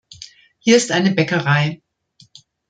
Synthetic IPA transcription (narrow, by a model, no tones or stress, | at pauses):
hiːɐɪstʔaɪnəbɛkəʁaɪ